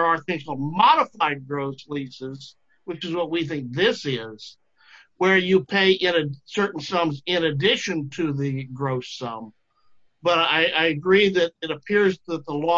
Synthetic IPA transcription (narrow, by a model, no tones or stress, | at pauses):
ə˞əθɪ̃ŋsmɑɾəfaɪd̚ɡɹoʊslisɪz | wɨt͡ʃɨzwʌt̚wiθɪ̃ŋk̚ðɪsɪz̥ | wə˞jɨpʰeɪʔɪ̃nɨsɜ˞ʔn̩sʌ̃mzɪ̃nɨdɪʃɨ̃ntʰɨðɨɡɹoʊsʌ̃m | b̥ʌɾaɪʔaɪɨɡɹiðɨɾɨɾɨpʰɪɹzðət̪̚ðəlɔ